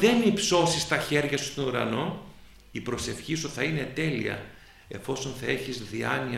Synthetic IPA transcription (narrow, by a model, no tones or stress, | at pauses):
ðe̞nipso̞sist̪ɐçe̞ɾʝɐsu̥st̪o̞nuɾɐ̰no̞n | ipɾo̞se̞fçisuθɐine̞t̪e̞lḭɐ̰ | e̞fo̞so̞nθɐe̞çizðiɐniɐ